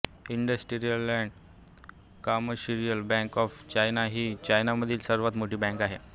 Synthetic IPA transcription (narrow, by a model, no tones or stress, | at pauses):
iɳɖəsʈiɾijəlæ̃ɳɖ | kaməɕiɾijəlbɛ̃ŋkɔft͡ɕajnaɦiːt͡ɕajnaməd̪ʱiːlsəɾʋat̪moʈiːbɛ̃ŋkaɦe